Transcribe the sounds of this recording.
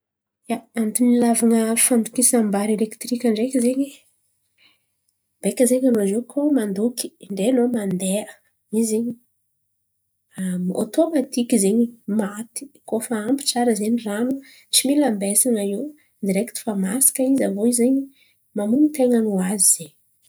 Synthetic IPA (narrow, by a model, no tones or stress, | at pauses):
jaant̪inilavaŋəfand̪ukisambaɾelekt̪ɾikʲaɳɖ͡ʐekizeɲi | b̥ekəzeɲanozekʰomand̪uki̥ɳɖ͡ʐenomand̪eə | izeɲi | amo̰t̪omat̪ikizeɲimat̪i̥kofaampi̥ʈ͡ʂaɾəzeɲiranu | t͡similambesanaiw | d̪iɾekt̪i̥famasi̥kəizavoizeɲi | mamunit̪eŋənuaziz̥eɲ